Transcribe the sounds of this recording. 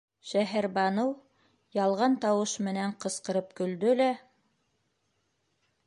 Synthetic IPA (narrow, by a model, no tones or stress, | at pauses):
ʃæɦæɾbɑnɤw | jɑlˠʁɑnt̪ɑwɤʃmɘ̆næɴqɤ̆sqɤ̆ɾɤpkɵ̆ld̪ɵlæ